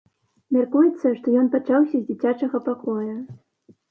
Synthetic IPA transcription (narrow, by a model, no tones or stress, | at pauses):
mʲarkujɛt̪sːɐʂt̪ɔjɔnpat͡ʂawsʲɐzʲd͡zʲit͡sʲat͡ʂɐɣɐpakɔjɐ